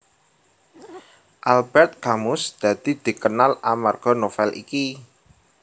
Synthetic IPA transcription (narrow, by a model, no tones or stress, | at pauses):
ʔalbɛrt̪̚ɡ̥amʊsd̪̥ä̤d̪̥i̤d̪̥i̤kənalamarɡ̥ɔ̤nofɛlʔḭki